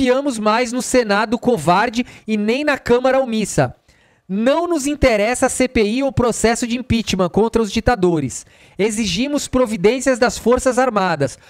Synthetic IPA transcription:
fiɐ̃mʊzmajznʊsenad̪ʊkovaɾd͡ʒɪɪnẽj̃nɐkɐ̃mɐɾɐumisɐ̰ | nɐ̃w̃nʊzĩnt̪eɾɛsɐːsepeiʊpɾosɛsʊd͡ʒɪĩpit͡ʃimɐ̃kõnt̪ɾɐʊzd͡ʒit̪ad̪oɾɪs | eziʒimʊspɾovid̪ẽsiɐzd̪ɐsfoɾsɐzaɾmad̪ɐs

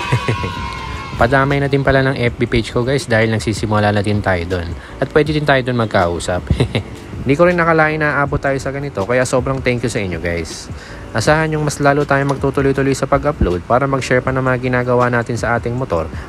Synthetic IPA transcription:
pɐd̪aːmɐjnɐt̪ɪnpɐlanɐŋʔɛp̚biped͡ʒkoɡajsd̪aːhɪlnɐɡ̚siːsɪmʊlanɐt̪ɪnt̪aːjod̪on | ʔɐt̪̚pwɛːd̪ɪd̪ɪnt̪aːjod̪onmɐɡ̚kɐʔuːsɐp | ɪnd̪iːkoɾɪnːɐkɐlaːʔɪnɐʔaːbot̪ːaːjosɐɡɐnɪt̪o̞kɐjaʔso̞bɾɐŋt̪ɛŋkjʊsɐʔɪɲːo̞ɡajs | ʔɐsaːhɐnjʊŋmɐslaːlut̪aːjomɐɡ̚t̪uːt̪ʊlojt̪ʊlojsɐpɐɡʔɐplowd̪̚paːɾɐmɐɡʃɛɹpɐnɐŋmɐŋaɡɪnaːɡɐwanaːt̪ɪnsɐʔaːt̪ɪŋmot̪o̞̰ɾ

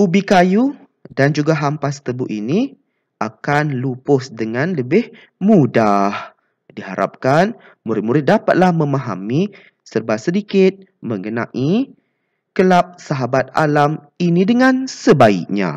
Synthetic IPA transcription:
ʔubikaju | dand͡ʒuɡaɦampast̪əbuʔini | ʔakanlupʊsdəŋanləbɪh | mudah | diɦa̰ɾʔa̰p̚kan | muɾɪt̪̚muɾɪt̪̚dapat̪̚lahmə̃mãɦa̰mi | sərbasədikɪt̪̚ | mə̃ŋɡənã̰ʔi | kəlap̚saɦabat̪̚a̰lam | inidəŋãnsəbaḭk̚ɲã̰

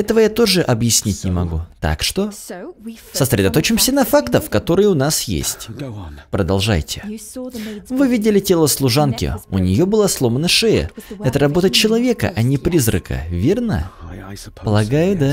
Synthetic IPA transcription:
ɛt̪əvəjat̪o̞ʐɨʔɐbjɪsʲnʲitʲnʲɪmɐɡut̪a̰kʂt̪o̞ | səsɾʲɪd̪ɐt̪o̞t͡ɕɪmsʲənɐfakt̪əfkɐt̪o̞ɾɨjəʊnasjḛsʲtʲpɾəd̪ɐlˠʐa̰jtʲɪ̥ | vɨvʲidʲɪlʲɪtʲelˠəslˠʊʐankʲɪ̰ʊ̰nʲɪjo̞bɨlˠaslˠomənəʂɛə̰ɛt̪əɾɐbo̞t̪ət͡ɕɪlˠɐvʲe̞kə̰ʔɐnʲɪpɾʲizrə̰kə̰vʲe̞rnə̰ | pəlˠɐɡajʊd̪a

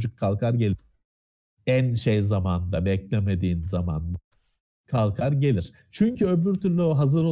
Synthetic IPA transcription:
d͡ʒukʰːalˠkʰaɾɟe̞lʲ | ænʃejzamand̪abɛclʲeme̞d̪iːnzama̰nd̪a | kʰalˠkʰaɾɟe̞lʲiɾ̥ | t͡ʃʰyɲcʰyøbyɾt̪ʰyɾlʲyoɦazɯɾo

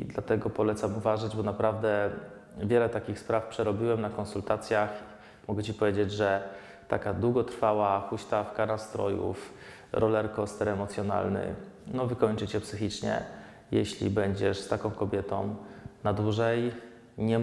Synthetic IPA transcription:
d̪lat̪ɛɡɔpɔlɛt̪samuvaʐad͡ʑbɔnapɾavd̪ɛ | vʲjɛlɛt̪akʲixspɾafpʂɛɾɔbʲiwɛmnakɔnsult̪at̪sʲjax | mɔɡɛt͡ɕipɔvʲjed͡ʑed͡ʑʐɛ | t̪a̰kad̪wuɡɔt̪ɾfawaxuɕt̪afkanast̪ɾɔ̰jṵf | ɾɔlɛɾkɔst̪ɛɾɛmɔt̪sʲjɔna̰lnɘ̰nɔvɘkɔɲt͡ʂɘt͡ɕɛpsɘxʲit͡ʂɲɛ̰ | jɛɕlʲḭbɛɲd͡ʑɛʂst̪akɔ̃w̃kɔbʲjɛt̪ɔ̃w̃nad̪wuʐɛj | ɲɛ

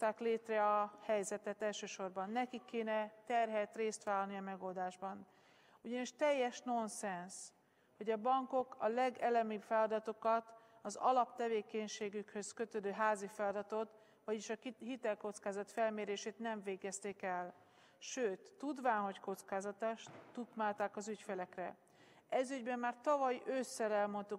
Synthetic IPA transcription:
t̪aːkleːt̪rɛɒhɛjzɛt̪ɛt̪ɛlʃøːʃo̞rbɒnːɛkikʰːeːnɛt̪ɛrɦɛt̪reːst̪ʋaːlɒniɒmɛɡo̞ld̪aːʒbɒn | uɟɒniʃt̪ɛjːɛʃno̞nsɛns | ho̞ɟɒbɒŋko̞kɒlɛɡɛlɛmibfɛlɒd̪ɒt̪o̞kɒt̪ɒzɒ̰lɒpt̪ɛveːkɛɲʃeːɡykhø̞skø̞t̪ød̪øːɦaːzifɛlɒd̪ɒt̪o̞t̪ | ʋɒɟiʃɒɦit̪ɛlko̞t̪skaːzɒt̪fɛlmeːɾeːʃeːt̪nɛɱveːɡɛst̪eːkɛl | ʃøːt̪ːud̪ʋaːnɦo̞cko̞t̪skaːzɒt̪aʃut̪maːlt̪aːkɒzycfelɛkrɛ | ɛzyɟbɛmːaːrt̪ɒvɒjøsːɛɾɛlmo̞nt̪u

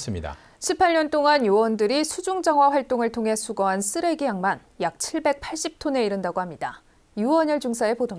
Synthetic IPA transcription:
s͈ɯmida̰ | ɕʰipʰaɭɲʌnt͈oŋanjuwʌndɯɾisʰud͡ʑuŋd͡ʑaŋɦwaɸwaɭt͈oŋɯɭtʰoŋɦe̞sʰuɡʌɦans͈ɯɾe̞ɡijaŋman | jak̚t͡ɕʰiɭbe̞k̚pʰaɭɕ͈ip̚tʰone̞iɾɯndaɡohamɲida | juwʌɲʌɭd͡ʑuŋsʰae̞podo

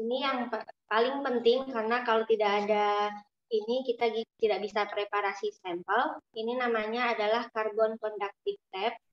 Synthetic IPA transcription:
inijaŋapalɪŋpənt̪ɪŋkarənakalot̪idakːda | inikit̪aɡit̪idaʔbisapɾepaɾasisɛmpəlininamaɲaːdalahkarbɔnkɔndak̚t̪ɪk̚t̪ɛp̚

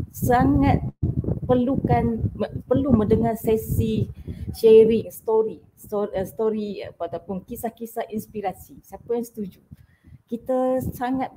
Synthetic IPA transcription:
saŋat̪̚pərlukanpərlumə̃dəŋarsɛsiʃɛɾiŋst̪oɾi | sost̪oɾḭat̪apʊnkisahkisahinspiɾasisapəjanst̪ud͡ʒu | kit̪əsaŋat̪̚

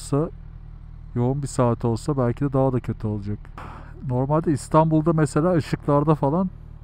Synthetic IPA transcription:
sa | jo̞unbisaːt̪ʰio̞lˠsabælʲcʰid̪ɛd̪aɦad̪acʰat̪ʰɯolˠad͡ʒak | no̞ɾmalʲd̪ɛist̪ʰanbulˠd̪amese̞lʲaːɯʃɯklˠaɾd̪afalˠan

